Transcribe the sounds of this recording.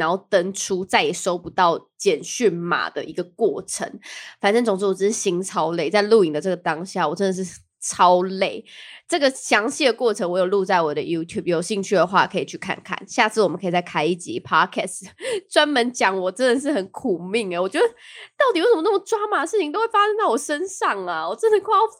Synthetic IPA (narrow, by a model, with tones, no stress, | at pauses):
na˧˦ŋxo˥˩ʊt̪ə˦˥ŋʈ͡ʂʰu˥t͡sa˥˩ɪi˨˩ʂo˥ʊpu˧˦t̪ɑ˥˩ʊt͡ɕjɛ˨˩nɕy˥˩nma̰˨˩d̪ə̰˩ʔi˧˥ɡə˧kwɔ˥˩ʈ͡ʂʰə̰˧˦ŋfa˨˩nʈ͡ʂə˥ŋt͡sʊ˨ŋʂ̩˥˩wɔ˨˩ʈ͡ʂ̩˥˩ʂ̩˥˩ɕi˥ŋt͡sʰɑ˦ʊle˥˩ɪt͡sa˥˧ɪlu˥˩i˥˩ŋd̪ə˩ʈ͡ʂɤ˥˩ɡə˩t̪ɑ˦ŋɕja̰˥˩wɔ˨˩ʈ͡ʂə˦nd̪ə˨˩ʂɻ̩˥˩ | t͡sʰɑ˦˥ʊle˥˩ɪʈ͡ʂɤ˥˩ɡə˩ɕjɑ˧˥ŋɕi˥˩d̪ə˩kwɔ˥˩ʈ͡ʂʰə˧˥ŋwɔ˧˥jo˨˩ʊlu˥˧t͡sa˥˩ɪwɔ˨˩d̪ə̰˦ju˦˥t̪ʰju˥˩b̚jo˨˩ʊɕi˥˧ŋt͡ɕʰy˥˩d̪ə˩xwa̰˥˩˨kʰə˧˥i˨˩t͡ɕʰy˥˩kʰa̰˥˩nkʰa̰˥˩˨nɕja˥˧t͡sʰɹ̩˥˩wɔ˨˩mə˦nkʰə˧˥i˨˩t͡sa˥˩ɪkʰa˥ɪi˥˩t͡ɕḭ˨˦pʰɑ˦˥kʰɛ˥˧˩stt͡swa˦˥nmə˧˦nt͡ɕjɑ˨˩ŋwɔ˨˩ʈ͡ʂə˧˦nd̪ə˨˩ʂ̬ɻ̩˥˩xə˨˩˦nkʰu˨˩mi˥˩ŋə˩wɔ˨˩t͡ɕɥɛ˥d̪ə˦t̪ɑ˥˩ʊt̪i˨wʂə˨˧mə˦nə˥˩ə˩ʈ͡ʂwa˥ma˨˩d̪ə˩ʂɻ̩ʰ˥˩i˨ŋt̪o˥ʊwe˥˩ɪfa˦˥ʂə˥nt̪ɑ˥˩ʊwɔ˨˩ʂə˦nʂɑ˥˨˩ŋa˩wɔ˨˩ʈ͡ʂə˥nə˨˧kʰ